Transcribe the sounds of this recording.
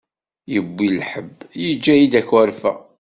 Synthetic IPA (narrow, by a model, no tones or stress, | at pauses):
jəbːilħəbːjid͡ʒːæjid̪ækwæɾfæ̰